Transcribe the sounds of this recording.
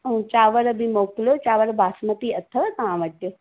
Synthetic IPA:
ɦũt͡ɕaːʋəɾbʱimoːklot͡ɕaːʋəɾbʱaːsmət̪iɐt̪ʰəʋat̪ɐʋãːʋəʈjo

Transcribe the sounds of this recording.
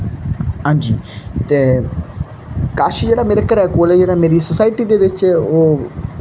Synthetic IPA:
ɦãːɲd͡ʒḭːt̪eː | kaːʃiːd͡ʒeːɽaːmeːɾeːkəɾɛːkoːlɛːd͡ʒeːɽaːmeːɾiːsʊsaːɪʈiːd̪eːʋɪt͡ʃːoː

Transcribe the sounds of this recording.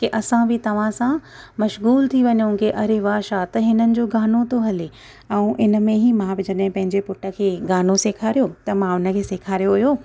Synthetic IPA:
keʔɐsãbɪt̪ɐʋ̤ãsã | mɐʃɣuːlt̪ʰiʋɐɲõkeʔɐɾeʋaːʃat̪ɐɦɪnənɪ̆d͡ʑoːɡaːnot̪oɦɐle | ɛ̃ũʔɪnə̆mẽɦimãbɪd͡ʑɐɗɦɪ̃pɐ̃ɦɪ̃ɲd͡ʑepʊʈə̆kʰeːɡaːnoseːkʰaːɾijot̪ɐmãʊnə̆kʰeːseːkʰaːɾijoɦʊjoː

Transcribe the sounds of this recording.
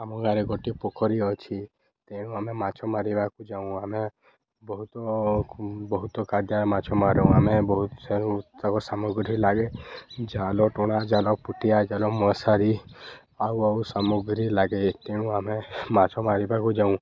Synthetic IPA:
amɔ̃ŋɡaɾeɡɔʈipɔkʰɔɾiɔt͡ʃʰi | t̪eɽ̃ũamemat͡ʃʰɔmaɾibakud͡ʒaũame | bɔɦut̪ɔ | bɔɦut̪ɔkaɾd̪jamat͡ʃʰɔmaɾɔũamebɔɦuseɽ̃ũt̪akɔsamuɡɾilaɡed͡ʒalɔʈɔɽ̃ad͡ʒalɔpuʈijad͡ʒalɔmɔsaɾi | awawsamuɡɾilaɡet̪eɽũamemat͡ʃʰɔmaɾibakud͡ʒaũ

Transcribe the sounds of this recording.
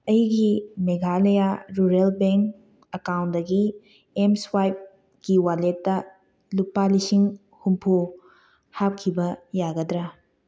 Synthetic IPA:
ɐjɡimeɡʱalɐjaɾuɾelbeŋk | ɐkawntdɐɡi | emswajp̚ | kiwaletːɐ | lupalisiŋ | humpʰu | hap̚kʰːibɐjaɡɐdɾɐ

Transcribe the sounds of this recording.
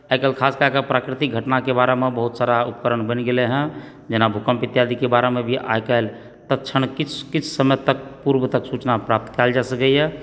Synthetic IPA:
ajkəlkʰaskakəpɾakɾit̪ik̚ɡʱəʈnakebaɾemebəɦut̪saɾaupkəɾəɳbəniɡeleɦɛ̃ | d͡ʒenabʱukəmpit̪jad̪ʱikebaɾemebʱiʔa̰jkəel | t̪ətːt͡ʃʰənkit͡ʃʰkit͡ʃʰsəmət̪ək̚puɾbət̪əksut͡ʃnapɾap̚t̪kald͡ʒasəkəjɛ

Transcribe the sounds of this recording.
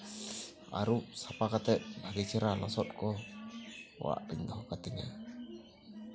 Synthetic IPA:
a̰ɾuʔsapakat̪ɛt̪̚bʱaɡit͡ʃaɾalɔsɔt̪̚kɔ | w̰a̰ʔɾɛɲd̪ɔɦɔkat̪ɛŋa̰

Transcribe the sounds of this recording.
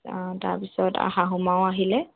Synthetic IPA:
ta̰ɹpisɔta̰ɦaɦumawaɦilɛ

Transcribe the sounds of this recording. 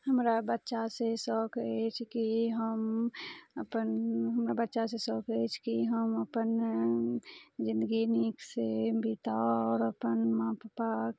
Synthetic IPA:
həmɾabətːʃasesɔːkʰet͡ʃʰkiɦəm | əpənɦəmɾabətːʃasesɔːkʰet͡ʃʰkiɦəməpən | d͡ʒɪ̃nd̪əɡiniksebʱit̪aɔːɾəpənmãppak

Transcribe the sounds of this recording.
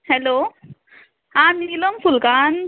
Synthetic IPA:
hɛlo | hãnilomfulkan

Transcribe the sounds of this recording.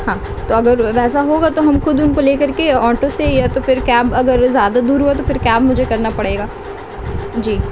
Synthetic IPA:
ɦãː | t̪oːɐɡəɾʋɛːsaɦoːɡat̪oɦɐmxʊd̪ʊnkoleːkɐɾkeɔːʈosejat̪ofɪɾkɛːbɐɡəɾzjaːd̪ad̪uːɾɦuat̪̬ofɪɾkɛːbmʊd͡ʒʱekɐɾnapɐɽ̤eːɡaː | d͡ʒiː

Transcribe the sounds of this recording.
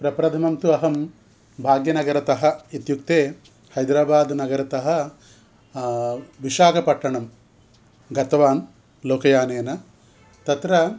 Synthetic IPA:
pɾɐpɾɐd̪ʱɐmɐmt̪uɐɦɐm | bʱaːɡjɐnɐɡɐɾɐt̪ɐɦɐ̆it̪juk̚t̪eː | hɐjd̪ɾaːbaːd̪nɐɡɐɾɐt̪ɐɦɐ̆ | ʋiʃaːkɐpɐʈːɐɳɐm | ɡɐt̪ɐʋaːn | loːkɐjaːneːnɐ | t̪ɐt̪ɾɐ

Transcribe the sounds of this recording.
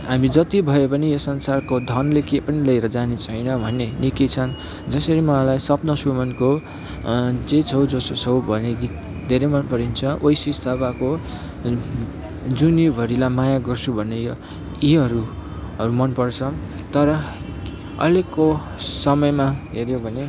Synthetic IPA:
ɦamid͡zʌt̪ibʱʌjopʌnijʌsʌnsarkod̪ʱʌnlekepʌnilʌjɾʌd͡zanet͡sʰʌjnʌbʱʌnenikit͡sʰʌn | d͡zʌsʌɾimʌãlajsʌpnʌsumʌnko | d͡zet͡sʰʌwd͡zost͡sʰʌwbʱʌneɡit̪̚ | d̪ʱeɾemʌnpʌɾint͡sʰʌʔojsist̪ʰabako | d͡zunjibʱʌɾilamajaɡʌrt͡sʰubʱʌnejo | jiɦʌɾu | ɦʌɾumʌnpʌrt͡sʰʌ | t̪ʌɾʌ | ʌ̰lekːo | sʌmʌjmaɦeɾjobʱʌne

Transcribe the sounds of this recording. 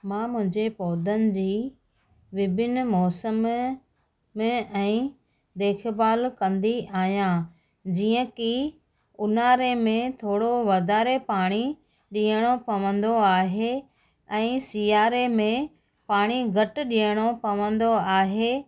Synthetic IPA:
mãːmʊ̃ɦɪ̃ɲd͡ʑepɔːd̪ənɪ̆d͡ʑiː | ʋɪbʱɪnmɔːsəm | ẽɛ̃ː | d̪eːkʰbaːlkɐ̃nd̪iʔaːɦijã | d͡ʑiːə̃ki | ʊnaːɾemẽt̪ʰoːɽoʋɐd̪ʱaːɾepaːɽ̃i | ɗĩːəɽ̃opɐʋə̃nd̪oaːɦe | ɛ̃ːsiːjaːɾemẽ | paːɽ̃iɡʱɐʈʊ̆ɗĩjəɽ̃opɐʋə̃nd̪oaːɦeː

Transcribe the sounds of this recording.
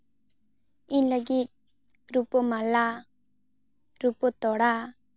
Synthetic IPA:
inləɡit̪̚ | ɾupɔmala | ɾupɔt̪ɔɽa

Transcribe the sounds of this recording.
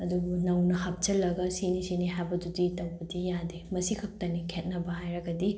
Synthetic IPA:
ɐdubunɐwnɐhap̚t͡ʃɐlːɐɡɐsinisiniɦabɐduditɐwbɐdijademɐsikʰɐp̚tɐnikʰet̚nɐbɐhajɾɐɡɐdi

